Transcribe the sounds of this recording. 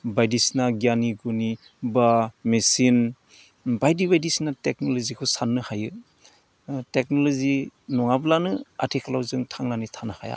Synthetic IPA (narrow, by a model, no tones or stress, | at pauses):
bajdisnaɡijaniɡuni | bamesin | bajdibajdisnatek̚nɔlɔzikʰɔsanːɯhajɯ | tek̚nɔlɔzinɔŋablanɯa̰tʰikʰalawzɯŋtʰaŋnanitʰanaha̰ja̰